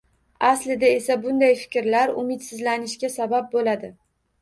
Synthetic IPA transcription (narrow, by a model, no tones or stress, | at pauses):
aslɪd̪ae̞sabʊnd̪ajfɪ̥kʲɾlaɾʊ̰mɪt̪sɪzlanɪʃkʲasabap̚bolad̪ɪ